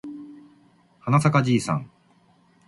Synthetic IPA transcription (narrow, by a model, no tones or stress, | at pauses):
hanasakad͡ʑiːsã̰ŋ